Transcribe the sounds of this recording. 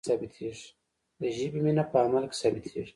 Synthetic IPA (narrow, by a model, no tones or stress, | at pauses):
sɐbit̪ʰiʐ | d̪əʒibiminapaːmɐlksɐbit̪ʰḭɾ